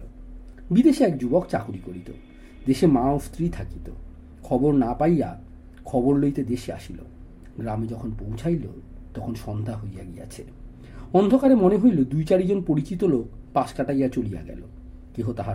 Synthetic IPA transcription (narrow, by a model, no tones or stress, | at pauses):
bid̪eʃeɛkd͡ʑubokt͡ɕa̰kuɾikoɾit̪o̰ | d̪eʃemaost̪ʰɾit̪ʰakit̪o̰ | kʰɔboɾnapajja | kʰɔboɾlojt̪ed̪eʃea̰ʃilo̰ | ɡɾamed͡ʑɔkʰonpowt͡ɕʰajlo | t̪ɔkʰonʃɔnd̪ʱaɦojja̰ɡija̰t͡ɕʰḛ | ɔnd̪ʱokaɾemoneɦojlod̪ujt͡ɕaɾid͡ʑonpoɾit͡ɕit̪olok̚ | paʃkaʈajat͡ɕolija̰ɡɛ̰lo̰ | keɦot̪aɦa